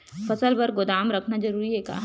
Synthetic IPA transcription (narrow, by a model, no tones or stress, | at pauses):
fɐsəlbɐɾɡʊd̪aːmɾɐkʰnad͡ʒɐɾuːɾiɦɛka̰ː